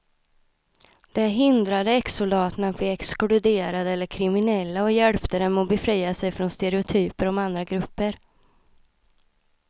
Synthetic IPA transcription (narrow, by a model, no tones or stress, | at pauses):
d̪̥ɛɦɪnd̪ɾad̪əɛksʊlɑːt̪ənat̪̚blɛːɛksklʉd̪eːɾad̪əɛlːəɾkʰɾɪmɪnɛlːaɔjɛlpt̪əd̪ɛnmɔbɛfɾijːasɛjfɾɔnst̪ɛɾɛʊt̪ʰyːpəɾɔmand̪ɾaɡɾɵpːəɾ